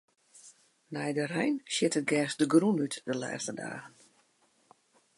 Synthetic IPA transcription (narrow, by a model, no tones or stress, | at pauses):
nɛjdərɛjnʃjɪtət̚ɡɛːsdəɡrunytd̥əla̰ːstəda̰ːɣən